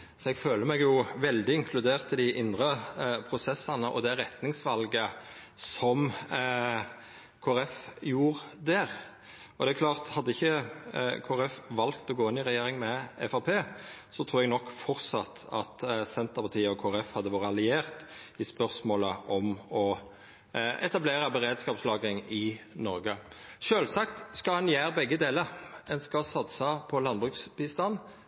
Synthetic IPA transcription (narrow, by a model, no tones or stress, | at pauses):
sɔɛɡføːləmɛɡjʊʋɛld̪ɪɪŋkʰlʉd̪eːʁt̪ʰɪd̪ɪʔɪnd̪ɾəpʰɾʊsɛsːɑnəʔɔ̰d̪ɛɾɛt̪nɪŋsʋɑlɡəsɔm | kʰoːɾɛfjuːʁd̪æʁ | ɔd̪ɛæɾkʰlɑːʁt̪hɑd̪ːəɪçːəkʰoːɾɛfʋɑlkt̪ɔɡoːɪnːɪʁɛjeːɾɪŋmɛɛfɑpʰeːsɔt̪ʰɾuːɾɛɡnɔkːfɔʁsɑt̪ʰɑ̰t̪sɛnt̪əpʰɑʁt̪ʰiːəɔkʰoːɾɛfhɑd̪ːəʋɑːɾəɑlɪeːʁt̪ɪspœʁsmoːləʔɔmɔ | ɛ̰t̪ɑbleːʁəbəɾeːd̪skɑːpslɑːɡɪŋɪnɔɾɡə | ʃøːlsɑkt̪skɑhɑnjæːɾbɛɡːəd̪eːləɾɛnskɑsɑt̪sɑpʰɔlɑnbʁʉksbɪst̪ɑn